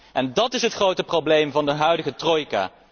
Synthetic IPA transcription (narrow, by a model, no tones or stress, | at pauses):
ʔɛndɑtɪsɦətχrowtəprowblejmvɑndəɦœɥdəɣətrojka̰ː